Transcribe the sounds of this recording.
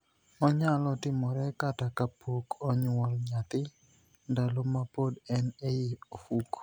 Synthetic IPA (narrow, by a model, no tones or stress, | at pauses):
ɔɲalɔtɪmɔɾɛkatakapʰokʰɔɲwɔlɲat̪ɪ | ndalomapodɛnejiofuk